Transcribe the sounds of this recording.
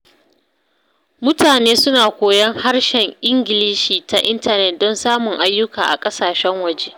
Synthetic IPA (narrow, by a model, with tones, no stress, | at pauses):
mʊ˦taː˨neː˦sʊ˦naː˨kʷoː˨jɐ˦ŋha˦rʃɛ˨ŋʔɪ˦ŋɡʲɪ˨liː˦ʃiː˨ta˨ʔɪ˦ntɐ˨nɛ˨t̚dɔ˦nsaː˦mʊ˨ŋʔa˦jːʊ˦kaː˨ʔa̰˨kʼɐ˦saː˨ʃɛ˦ŋwɐ˨d͡ʒeː˦